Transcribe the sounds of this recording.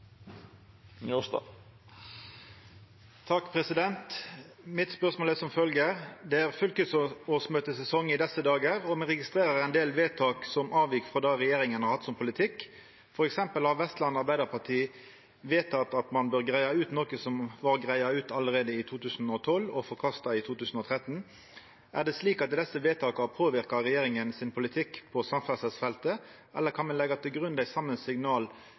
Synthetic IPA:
nst̪ɑ̰ | t̪ʰɑkːpʰʁɛsɪd̪ɛnt̪ | mɪt̪spœʁsmoːlɛsɔmfœlɡəd̪ɛæʁfœlkəsoːsmøːt̪əsɛsɔŋɪd̪ɛsəd̪ɑːɡəɾɔmɛʁɛɡɪst̪ɾeːɾəʁæɪnd̪eːlʋeːt̪ʰɑːksɔmʔɑːʋjɪkfɾɑd̪ɑʁɛjeːɾɪŋənhɑɾhɑt̪ːsɔmpʰʊlɪt̪ʰɪkː | fɔɾɛksɛmpəlhɑʋɛst̪lɑnɑɾbæɪd̪əɾpʰɑʈ̪ʰiː | ʋeːt̪ʰɑt̪ɑt̪mɑnbøːʁɡɾæɪɑʉːt̪nɔkəsɔmʋɑʁɡʁæɪɑʉːt̪ɑləɾeːd̪əɪt̪ʰuːt̪ʰʉːsnɔt̪ʰɔlːɔfɔɾkʰɑst̪ɑɪt̪ʰuːt̪ʉːsn̩ɔt̪ʰɾɛt̪n | ʔæ̰ʁd̪ɛsliːkɑt̪̚d̪ɛsːəʋeːt̪ʰɑːkɑpʰoːʋɪʁkɑɾɛjeːɾɪŋənsɪnpʰʊlɪt̪ʰɪkpʰɔsɑmfæsəsfɛlt̪ə | ʔɛlːəɾkʰɑnmɑnlɛɡɑt̪ʰɪlɡɾʉnd̪æɪsɑmːənsɪɡnɑːl

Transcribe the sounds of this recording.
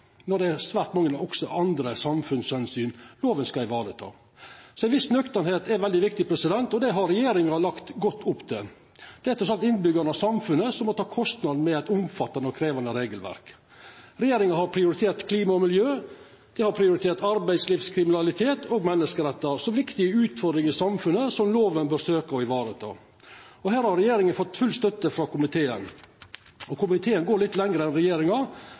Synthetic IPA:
nɔɖ̪ɛæɾsʋæːɾʈ̪mɑŋːənɔksɔʔɑnd̪ɾəsɑmfʉnshɛnsyːnloːʋənskɑɪʋɑːɖət̪ʰɑ̰ː | sɔɛɪnʋɪsnœkt̪ənheːt̪ɛʋɛld̪ɪʋɪk̚t̪ɪpʰɾɛsɪd̪ɛnt̪ɔd̪ɛɦɑɾɾɛjeːɾɪŋɑlɑkt̪ɡɔt̪ːʊpːt̪ʰɛ | d̪̥ɛæt̪ʰɾɔsɑlt̪ɪnbʏɡɑɾnɑsɑmfʉnəsɔmːɔt̪ʰɑːkʰɔst̪nɑd̪n̩mɛæɪt̪ʊmfɑt̪ːɑnəɔkʰɾeːʋɑnd̪əɾeːɡəlʋæ̰ɾk | ɾɛjeːɾɪŋɑhɑɾpʰɾɪʊɾɪt̪ʰeːɾt̪kʰliːmɑɔmɪljøː | d̪̥ɛɪhɑɾpʰɾɪʊɾɪt̪ʰeːʈ̪ɑɾbæɪsliːfskʰɾɪmɪnɑlɪt̪ʰeːt̪ʰoːɡmɛnːəskəɾɛt̪ːəɾsɔʋɪkt̪ɪəʉːt̪fɔɾd̪ɾɪŋɪsɑmfʉnəsɔmloːʋənbøːɾsøːkəɔɪʋɑːɾət̪ʰɑ̰ː | ɔhæːɾhɑɾɛjeːɾɪŋənfɔt̪ːfʉlst̪œt̪ːəfɾɑːkʊmɪt̪ʰeːə̰n | ɔkʊmɪt̪ʰeːənɡoːɾɭɪt̪ːlɛŋɾəɛnɾɛjeːɾɪŋɑ

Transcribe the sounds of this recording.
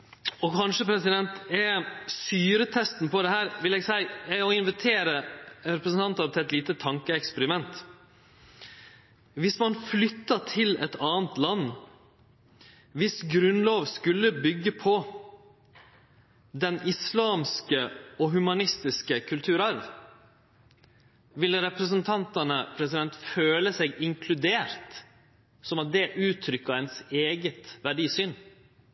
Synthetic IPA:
ɔkʰɑnʂəpʰɾɛsɪd̪ɛnt̪ɛst̪yːɾət̪ʰɛst̪n̩pɔd̪ɛhæːɾʋɪlɛɡsæɪɛɔɪnʋɪt̪ʰeːɾəɾɛpɾəsnt̪ɑnt̪ɑt̪ʰɪɛt̪liːt̪ət̪ʰɑŋkəɛkspɛɾɪmɛnt̪ | ʋɪsmɑnflʏt̪ːɑʈʰɪlɛ̰t̪ɑːnt̪lɑnː | ʋɪsɡɾʉnloːʋskʉlːəbʏɡːəpʰɔ | d̪ɛnɪslɑːmskəɔɦʉmɑnɪst̪ɪskəkʰʉlt̪ʰʉːɾɑɾʋ | ʋɪlːəɾɛpɾəs̬ənt̪ʰɑnt̪ənəpʰɾɛsɪd̪ɛnt̪føːləsɛɡɪŋkʰlʉd̪eːɾt̪ | sɔmɑt̪̚d̪ɛʔʉːt̪ʰɾʏkːəɾɛnseːɡət̪ʋæɖiːsyːn

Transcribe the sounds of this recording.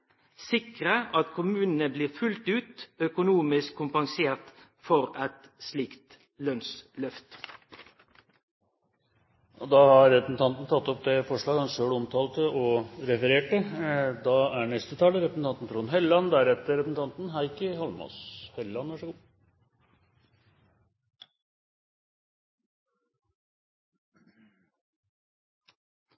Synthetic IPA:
sɪkʁəʔɑt̪kʰʊmʉːnənəbliːʁfʉlt̪ʉːt̪œkʊnuːmɪskʰːʊmpɑŋseːʁt̪ | fɔɾɛt̪ | sliːkt̪ | lœnslœft̪ | ɔd̪ɑhɑɾːɛpəsn̩t̪ʰɑnt̪n̩t̪ʰɑt̪ːɔp̚d̪ɛfɔʂɭɑːɡhɑnʂøːɽɔmt̪ʰɑːlt̪əʔɔɾɛfəɾeːʈəd̪ɑːæɳɛst̪ət̪ʰɑːləɾɛpəsn̩t̪ɑnt̪n̩t̪fʰɾuːnɦɛlɑnd̪æɾɛt̪əɾɛpsn̩t̪ɑnt̪nɦæɪkəhɑlmɔ̰shɛlɑnʋæʂəɡuː

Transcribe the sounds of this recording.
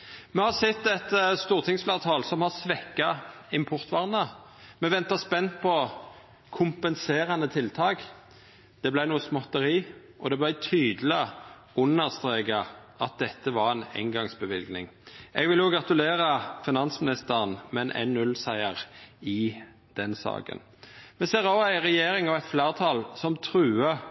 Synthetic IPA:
mɛhɑʁsɛt̪ːɛt̪st̪uːʁt̪ʰɪŋsflɑːt̪ʰɑːlsɔmhɑʁsʋɛkːɑɪmpʰɔʁt̪ʋɑʁnə | mɛʋɛnt̪ɑspɛnt̪̚pʰɔ | kʰʊmpənseːʁənət̪ʰɪlt̪ʰɑːɡ | d̪̥ɛblæɪnuːəsmɔt̪ːəʁiː | ʔɔd̪ɛblæɪt̪ʰyːd̪l̩ɪ | ʊnːəʁst̪ɾeːɡɑ | ɑt̪̚d̪ɛt̪ːəʋɑɾɛnɛ̰ŋɡɑŋsbəʋɪlɡnɪŋʔɛɡʋɪljʊɡɾɑt̪ʉleːɾəfɪnɑnsmɪnɪst̪əʁənmɛnʔɛ̰nːʉlsæɪəʁɪ | d̪̥ɛnsɑ̰ːɡə̰n | mɛseːʁoæɪʁɛjeːɾɪŋɑʋæɪt̪flæːʁt̪ʰɑlsɔmt̪ʰɾʉːə

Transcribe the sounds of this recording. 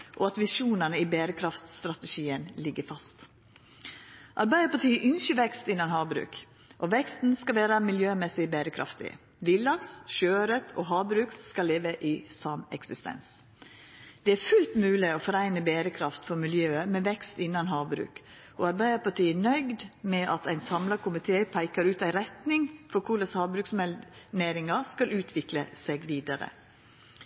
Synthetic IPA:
ʔoːɑt̪ʋɪʃuːnənəiːbeːɾəkʰɾɑft̪st̪ɾɑt̪əʃiːənlɪɡːəfɑst̪ | ʔɑɾbæɪəpɑʈiːʔʏnʃəʋɛkst̪ɪnːɑnhɑːbɾʉ̰ːk | ʔoʋɛkst̪n̩skɑlʋeːɾɑmɪljøːmɛsɪbeɾəkʰɾʔɑ̰ft̪ɪ̰ | ʋɪld̪ɑksʃøːɾət̪ʰoːɦɑːbɾʉːkskɑlːeːʋəʔɪːsɑmɛ̰ksɪst̪ɛ̰ns | d̪̥ɛæɾfʉlt̪mʉːlɪofɔɾæɪnəbeːɾəkʰɾɑft̪fɔɾmɪljøːəmɛʋɛkst̪ɪnːɑnɦɑːʋbɾʉ̰ːk | ʔɔɑɾbæɪd̪əpɑʈʰiːənœʏɡd̪mɛʔɑt̪æɪnsɑmlɑkʊmɪt̪ʰeːpʰæɪkəɾʉːt̪æɪɾɛt̪nɪŋfɔɾkʰʊɭɑshɑːbɾʉːksmɛneːɾɪŋɑskɑlʉːt̪ʰʋɪkləseɡʋiːd̪ɑɾə̰

